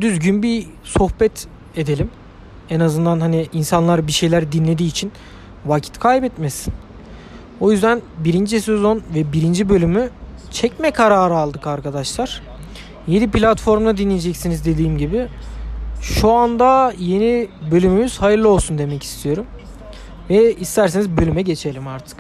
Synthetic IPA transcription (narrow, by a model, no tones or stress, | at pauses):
d̪yzɟynbi | so̞xbɛt̪ | e̞d̪e̞lʲim | ɛnazɯnd̪anhaniinsanlˠaɾɯbiʃe̞jlʲæɾd̪inlʲe̞d̪iːt͡ʃʰin | vacʰi̥t̪kʰajbɛt̪mesi̥n | o̞jyzd̪ænbiɾind͡ʒise̞zo̞nvɛbiɾind͡ʒibø̞lʲymyt͡ʃʰɛcmɛkʰaɾaːɾɯalˠd̪ɯkaɾkʰad̪aʃlˠaɾ̥ | je̞niplʲat̪fo̞ɾmd̪ad̪inlːʲijed͡ʒɛcsinizd̪e̞d̪iːmɟibɪ | ʃuand̪aje̞nibø̞lʲymymiz̥hajɯɾlˠɯo̞lˠsund̪e̞mɛcʰi̥st̪ʰijo̞ɾum | vɛist̪ʰæɾsenizbø̞lʲymɛɟe̞t͡ʃʰe̞lʲimaɾt̪ʰɯ̥k